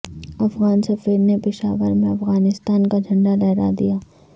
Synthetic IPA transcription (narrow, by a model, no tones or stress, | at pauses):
ɐfɣaːnsɐfiːɾnepɪʃaːʋəɾmẽɐfɣaːnɪst̪aːnkad͡ʒʱɐ̃ɳɖalɛːɾa̰d̪ḭjaː